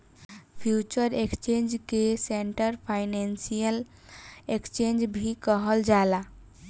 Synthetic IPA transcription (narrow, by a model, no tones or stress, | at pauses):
pʰjut͡ʃəɾekst͡ʃẽnd͡ʒkeseɳʈəɾpʰaɪnensijəl | ekt͡ʃend͡ʒbʱikəɦəld͡ʒala